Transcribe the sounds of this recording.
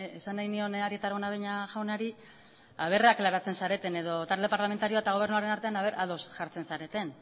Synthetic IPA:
esanːajnio̞naɾiet̪aɾaonaβejɲaʝawnaɾi | aβ̞e̞raklaɾat͡se̞nsaɾe̞t̪e̞ne̞ðo̞t̪ald̪e̞paɾlamet̪aɾio̞aet̪aɣo̞β̞e̞rnuaɾe̞naɾt̪e̞anaβe̞ɾalosʝaɾt͡se̞nsaɾe̞t̪e̞n

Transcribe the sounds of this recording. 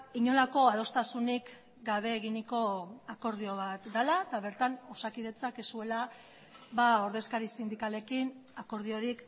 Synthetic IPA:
iɲo̞lako̞að̞o̞st̪asunik | ɡaβ̞e̞ːɣiniko̞ako̞ɾð̞io̞βat̪d̪alat̪aβ̞e̞ɾt̪ano̞sakið̞e̞t͡sakesue̞la | βao̞ɾðe̞skaɾisind̪ikale̞kinako̞ɾð̞io̞ɾik

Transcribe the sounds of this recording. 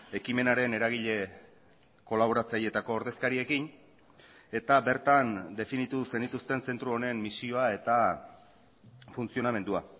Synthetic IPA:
e̞kime̞naɾe̞ne̞ɾaɣ̞iʎe̞ | ko̞laβ̞o̞ɾat͡saje̞t̪ako̞ːɾðe̞skaɾie̞kin | e̞t̪abe̞ɾt̪and̪e̞finit̪use̞nit̪ust̪e̞nse̞nt̪ɾuo̞ne̞mmisio̞ae̞t̪a | funt͡sio̞name̞nd̪ua

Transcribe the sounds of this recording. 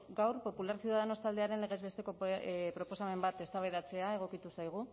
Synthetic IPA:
ɡawɾpo̞pulaɾsjiuwðaðeno̞st̪ald̪e̞aɾe̞nle̞ɣ̞e̞zβe̞st̪e̞ko̞pɾo̞po̞same̞mbat̪e̞st̪aβajðat͡se̞ae̞ɣ̞o̞kit̪usajɣ̞u

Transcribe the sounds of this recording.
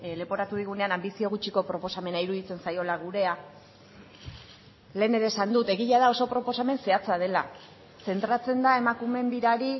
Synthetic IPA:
le̞po̞ɾat̪uð̞iɣ̞une̞anambisio̞ɣ̞ut͡ʃiko̞pɾo̞po̞same̞naiɾuðit͡se̞nsajo̞laɣuɾe̞a | le̞ːneɾe̞ːsand̪ut̪e̞ɣiʎaðao̞so̞pɾo̞po̞same̞nse̞at͡sað̞e̞la | se̞nt̪ɾat͡se̞nd̪ae̞makume̞nd̪iɾaɾi

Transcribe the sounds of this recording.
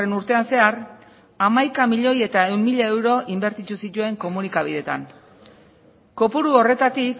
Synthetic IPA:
enuɾt̪e̞anse̞ar | amajkamiʎo̞je̞t̪ae̞wmmiʎae̞wɾo̞ʔimbe̞ɾt̪it̪usit̪ue̞ŋko̞munikaβ̞ið̞e̞t̪a̰n | ko̞puɾuo̞re̞t̪at̪ik

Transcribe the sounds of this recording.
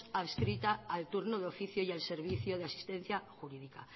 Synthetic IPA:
aβskɾit̪aːlt̪uɾnoðo̞fiθjoialse̞ɾβ̞iθjoð̞easi̥st̪ẽ̞n̟θjaxuɾiðika

